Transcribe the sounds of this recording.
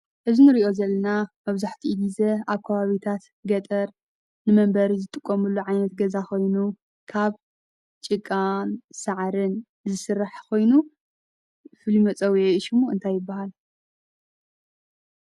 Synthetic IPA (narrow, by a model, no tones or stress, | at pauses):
ʔɨzinɨɾiʔo̞zɐlːɐnamɐβzaħt̪ʰiʔɨd̪izɐaβkʰɐβaβit̪ʰat̪ | ɡɐt̪ʼɐɾ | nɨmɐmbɐɾizɨt̪ʼɨkʼːomɨlːuʕajnɐt̪ɡɐzakʰo̞jnu | kʰaβ | t͡ʃʼɨkʼːansaʕɾɨn | zɨsɨrːaħkʰo̞jnu | fɨlimɐt͡sʼɐwjɛiʃumuɨnt̪ʰajːɪbːahal